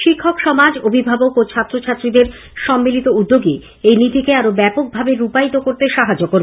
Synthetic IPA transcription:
ʃikʰːokʃɔmad͡ʑobʱibʱabokot͡ɕʰat̪ːɾot͡ɕʰat̪ːɾid̪eɾ | ʃɔmːilit̪oud̪ːoɡi | ejnit̪ikeaɾobɛpok̚bʱabeɾupajt̪okoɾt̪eʃaɦad͡ʑokoɾ

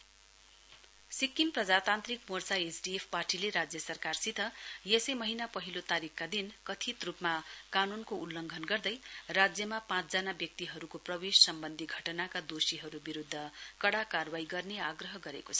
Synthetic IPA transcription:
sikːinprʌd͡zat̪ant̪rikmort͡saesɖiepʰparʈileɾad͡zjʌsʌrkarsit̪ʰʌjesʌjmʌɦinapʌɦilot̪aɾikkad̪inkʌt̪ʰit̪rupmakanunkoulːʌŋɡʱʌnɡʌrd̪ʌjrad͡zjʌmapãt͡sd͡zanabjʌk̚t̪iɦʌɾukoprʌbessʌmbʌnd̪ʱiɡʱʌʈʌnakad̪osiɦʌɾubiɾud̪ʱːʌkʌɽakarwaiɡʌrneaɡrʌɦʌɡʌɾḛkot͡sʰʌ̥

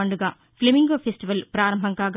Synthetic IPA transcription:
ɐɳɖuɡaː | plimiŋɡoːpʰesʈiʋɐlpɾaːɾɐmbʱɐŋkaːɡ

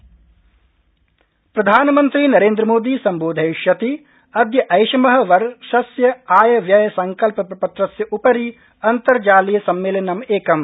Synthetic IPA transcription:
pɾɐd̪ʱaːnɐmɐnt̪ɾiːnɐɾeːnd̪ɾɐmoːd̪iːsɐmboːd̪ʱɐjʃjɐt̪i | ɐd̪ʱjɐʔɐjʃɐmɐɦɐ̆ʋɐɾʃɐsjɐaːjɐʋjɐjɐsɐŋkɐlpɐpɐpɐt̪ɾɐsjɐʔupɐɾi | ɐnt̪ɐɾd͡ʒaːlijɐsɐmːeːlɐnɐmeːkɐm

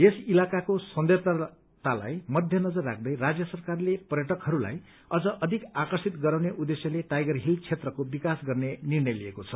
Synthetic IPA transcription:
esilakakosʌnd̪ert̪a | t̪ala̰jmʌd̪ʱjʌnʌd͡zʌrːa̰k̚ʰd̪ʌjrad͡zjʌsʌrkarlepʌrjʌʈʌkhʌɾula̰j | ʌd͡zʌʔʌd̪ʱikakʌrsit̪ɡʌɾawneʔud̪ːesjʌleʈajɡʌrɦilt͡sʰet̪rʌkobikasɡʌrnenirnʌjliekot͡sʰʌ

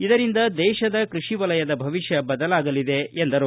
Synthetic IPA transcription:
id̪ɐɾind̪ɐd̪ɛːʃɐd̪ɐkɾuʂiʋɐlɐjɐd̪ɐbʱɐʋiʃjɐbɐd̪ɐlaːɡɐlid̪e̞end̪ɐɾu

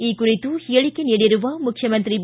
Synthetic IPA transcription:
ikːʊrɪt̪ːɯhɪjɐɭɪkːɪneɽɪɾɯʋaːmʊkʰːjɐmɐnd̪rib

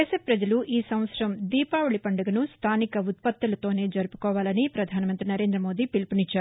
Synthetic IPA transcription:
esepɾɐd͡ʒɐluʔiːsɐmʋɐt̪sɐɾɐmd̪iːpaːʋuɭipɐɳɖɐɡɐnust̪ʰaːnikɐut̪̚pɐt̪ːulɐt̪o̞ːne̞ːd͡ʒɐɾupu̥kɔːʋaːlɐnipɾɐd̪ʱaːnɐmɐnt̪ɾinɐɾe̞ːnd̪ɾɐmo̞ːd̪iːpilpuniɲt͡ʃːaːɾu

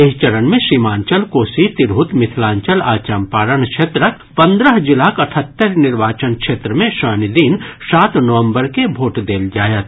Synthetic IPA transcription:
eɦt͡ʃɐɾənmẽʃimãːɲt͡ʃəlkoːsit̪ɪɾɦʊt̪mɪt̪ʰlãːɲt͡ʃəlaːt͡ʃəmpaːɾənkʃeːt̪ɾək | pɐ̃nd̪ɾəɦd͡ʒɪlaːkɐʈʰət̪ːəɾnɪɾʋaːt͡ʃənkʃeːt̪ɾəmẽʃəːnid̪iːnsaːt̪nəʋə̃mbəɾkebʱoːʈd̪eːld͡ʒaːjət̪

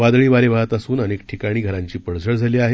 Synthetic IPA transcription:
ʋad̪ɭiːʋalebʱaət̪asuːnənekʈʰikaɽ̃iːɡʱəɾaɲt͡ɕiːpəɽd͡zʱəɭd͡zʱaliːaɦe

